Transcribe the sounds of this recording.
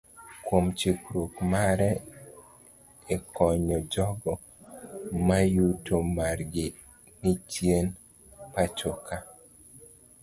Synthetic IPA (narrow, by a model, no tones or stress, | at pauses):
kwomt͡ʃikɾokmaɾɛ | ekɔɲɔd͡ʒɔɡɔ | majutomarɡɪ | nɪt͡ʃjen | pat͡ʃoka